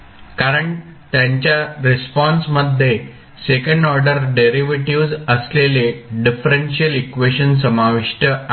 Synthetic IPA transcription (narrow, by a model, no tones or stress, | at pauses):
kaɾəɳ | t̪jãɲt͡ɕjaɾespɔ̃nsməd̪ʱːe | sekəɳɖɔɾɖəɾɖeɾiʋeʈiʋd͡zəsleleɖifɾenɕiəlikʋeɕəns̬əmaʋiʂʈə